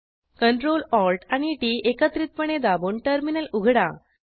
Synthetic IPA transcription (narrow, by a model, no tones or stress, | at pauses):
kəɳʈɾolɔlʈaɽ̃iʈiekət̪ɾit̪̚pəɳed̪abuːɳʈəɾminəluɡʱɽa̰